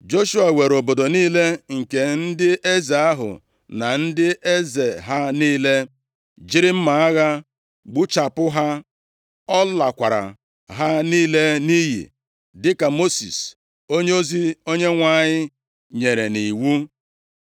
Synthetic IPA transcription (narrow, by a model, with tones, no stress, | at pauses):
d͡ʒo˦ʃu˦a˨we˨ɾo˨bo˨do˨niː˦le˦ŋ̩˨ke˨n̩˦dɪ˦ʔe˦ze˨a˦ɦʊ̰˨ | na˨n̩˦dɪ˦ʔe˦ze˨ɦa˦niː˦le˦ | d͡ʒi˦ɾɪ˦m̩˦ma˨a˦ɣa˦ | ɡ͡bu˦t͡ʃa˨pʊ˦ɦa˦ | ɔ˦la˨kʷa˨ɾa̰˨ | ɦa˦niː˦le˦ni˦ɦḭ˨ | dɪ˦ka˨mo˦sḭ˨s | o˦ɲe˦o˦zi˦o˦ɲe˦ŋʷa˦˨ɲɪ˦ | ɲe˨ɾe˨ni˨wu˦